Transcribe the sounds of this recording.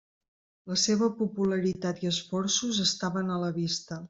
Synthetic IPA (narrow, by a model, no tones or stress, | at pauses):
ləseβəpupuləɾit̪at̪iəsfɔrsuzəst̪aβənələβist̪ə